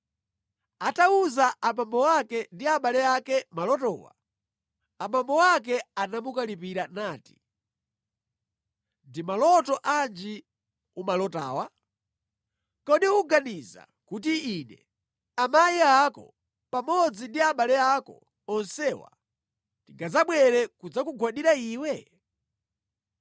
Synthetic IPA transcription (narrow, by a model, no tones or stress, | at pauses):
atauzaamambɔwakɛndiaɓalɛakɛmalɔtɔ̰ːwa̰ | amambɔwak̬ɛanamukalipiɾanaːti̥ | ndimalɔtɔʔand͡ʒi | umalɔta̰ːwa | kɔɗiuɡaniza̰ | kutiinɛ̰ | amajiakɔ̰ | pamɔd͡zindiaɓalɛakɔ̰ | ɔnsɛwa̰ | tiŋɡazaɓwɛɾɛkud͡zakuɡʱwaɗiɾaiːwɛ